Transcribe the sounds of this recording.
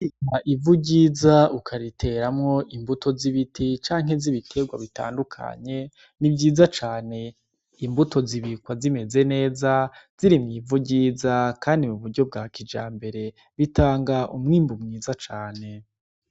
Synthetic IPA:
ikaʔivuɟiːzaukʰaɾitʰe̞ɾamŋo̞ʔimbutʰo̞ziβitʰit͡ʃaːŋ̥e̞ziβitʰe̞ɡwa̰βita̰ːndukʰa̰ɲe̞ | nibɟiːzat͡ʃaːne̞ | imbutʰo̞ziβikwazime̞ze̞ne̞ːzaz̥iɾimŋiːvuɟiːzakaːndimuβuɾɟo̞b̚ɡakid͡ʒa̰ːmbe̞ɾe̞ | βitaːŋɡaʔumŋiːmbumŋiːzat͡ʃaːne̞

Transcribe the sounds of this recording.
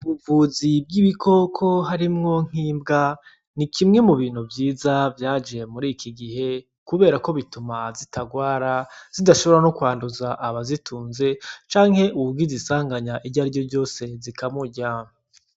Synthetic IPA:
uβuvuzib̚ɡiβikʰo̞kʰo̞ɦaɾimŋo̞ŋ̥hiːmbɡa | nikʰimŋe̞muβiːn̥huvjiːzavjaːd͡ʒiemuɾiːkʰiɡihe̞ | kuβe̞ːɾako̞βitumazitaɡwaːɾaz̥idaʃo̞βo̞ɾano̞kwaːnduzaʔːβazitʰuːnze̞t͡ʃaːŋhe̞ʔuɡizisaːŋɡaɲaʔiɟaɾɟo̞bɟo̞ːse̞zikamuɟa

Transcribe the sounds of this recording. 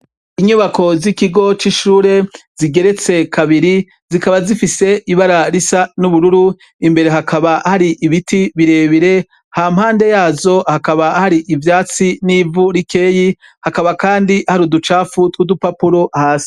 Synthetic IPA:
iɲuβako̞zikiɡo̞t͡ʃiʃuːɾe̞z̥iɡe̞ɾe̞t͡se̞kʰaβiɾi | zikaβazifise̞ʔiβaɾaɾisanuβuɾuɾu | imbe̞ɾe̞ɦakaβahaɾiʔiβitiβiɾe̞βiɾe̞ | hamhaːnde̞jaːzo̞hakaβahaɾiʔivjaːt͡siniːvuɾike̞ːji | hakaβakaːndihaɾudut͡ʃaːfutwudupapuɾohaːsi̥

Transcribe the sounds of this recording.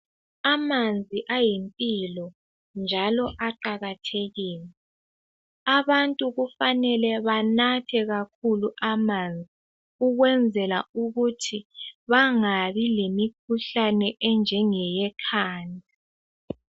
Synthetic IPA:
amand͡zʱiʔajimpʼilɔ | nd͡ʒʱalɔʔaǃaɣatʰeɣiːlɛ | aβantʼuɣufanɛlɛβanatʰɛɣakʰuluʔamand͡zʱi | uɣwɛnd͡zʱɛla̰uɣutʰiβaŋaβilemikʰuɬanɛʔɛnd͡ʒʱɛŋɛjɛkʰaːnʱi

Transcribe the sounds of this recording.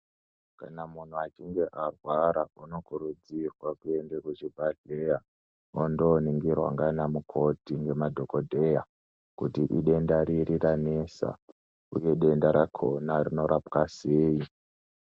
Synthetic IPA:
kanamun̤uat͡ʃiŋɡe̞ʔarwaɾauno̞kuɾud͡zirwakue̞ndekuʐibʱaɮeja | ondoniŋɡirwa̰ŋɡanamukʰo̞tiŋɡe̞madʱo̞ko̞dʱe̞ja | kutiʔḭɗe̞ndaɾiriranesa̰ | ṵje̞ɗe̞ndaɾakʰo̰narino̞ɾʔapkaseːi

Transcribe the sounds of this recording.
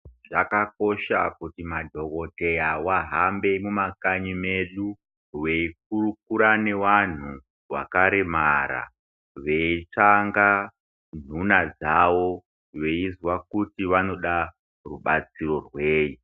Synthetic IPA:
ʐakako̞ʃakutimadʱo̞ko̞te̞jawaɦambe̞mumakaɲimeɗu | we̞ik̚uruk̚uɾane̞wan̤u | wa̰kaɾemaɾa̰ | ʋe̞it͡ʂaŋɡa | n̤unad͡zawo̞ | ʋe̞izwakutiʋano̞ɗa | ruɓat͡siro̞rweːji

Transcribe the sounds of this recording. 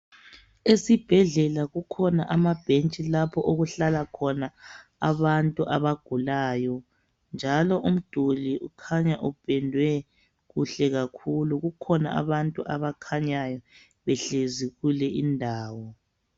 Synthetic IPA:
esib̥ʱɛɮɛlaɣukʰɔnaʔamab̥ʱent͡ʃʼilapʰɔʔoɣuɬalakʰɔnaa̰βantʼuʔaβaɡ̥ʱulaːjɔ | nd͡ʒʱalɔʔum̩d̥ʱuliʔukʰaɲaʔub̥ʱɛndʱwɛ | ɣuɬɛɣakʰuluɣukʰɔna̰a̰βantʼuʔaβakʰaɲajɔ | βɛɬeziɣulɛʔindʱaːwɔ

